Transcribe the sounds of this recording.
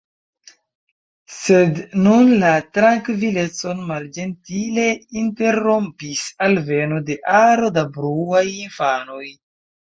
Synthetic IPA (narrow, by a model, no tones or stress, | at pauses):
se̞dnunlatɾaŋkvile̞t͡so̞nmald͡ʒe̞ntile̞inte̞ɾo̞mpisalve̞no̞de̞ʔaɾo̞dabɾuajinfano̞j